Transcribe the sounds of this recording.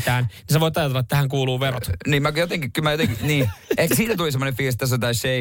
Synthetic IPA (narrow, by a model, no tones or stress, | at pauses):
t̪aːnnis̬eʋojt̪ɑjɑt̪̬ɛlːɑet̪ːhæŋkuːluːʋerɔt̪niːmakjot̪ɛŋkikymajot̪ɛŋkiniːɛsiːnat̪uisɛmɔnefiːs̬t̪ːas̬əd̪aʃe